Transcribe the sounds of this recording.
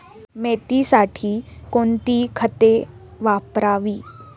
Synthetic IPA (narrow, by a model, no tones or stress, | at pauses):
met̪isaʈʰiːkont̪iːkʰət̪e | ʋapɾaʋiː